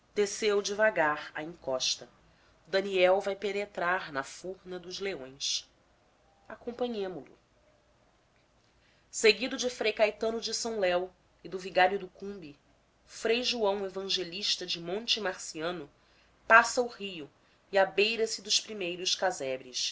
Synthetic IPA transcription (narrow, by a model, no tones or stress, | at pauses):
d̪̥esewd͡ʒɪvaɡaɾɐ̰ĩŋkɔʃt̪ɐ | d̪ɐniɛwvajpenet̪ɾaɾnɐfuɾnɐd̪ʊzleõj̃s | akõmpɐ̃ɲẽmʊlʊ̰ | seɡid̪ʊd͡ʒɪfɾejkajt̪ɐ̃nʊd͡ʒɪsɐ̃w̃lɛw | ɪd̪ʊviɡaɾjʊd̪ʊkũbi | fɾejʒuɐ̃w̃evɐ̃ʒeliʃt̪ɐd͡ʒɪmõnt͡ʃɪmaχsiɐ̃nʊ | pasɐʊhijʊ | iabejɾɐsɪd̪ʊʃpɾimejɾʊʃkazɛbɾɪs